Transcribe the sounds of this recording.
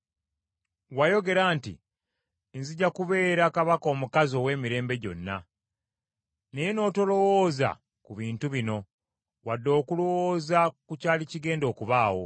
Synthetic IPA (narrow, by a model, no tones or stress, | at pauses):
wajo̞ɡe̞ɾaːntḭ | nziɟakuβe̞ːɾakaβako̞ːmukazo̞we̞ːmiɾe̞ːmbe̞ɟo̞̰nːa | ne̞jeno̞ːto̞lo̞woːza̰ | kuβiːntuβino̞ | wadːo̞ːkulowoːzakucaːliciɡe̞ːndo̞ːkuβaːwo̞̰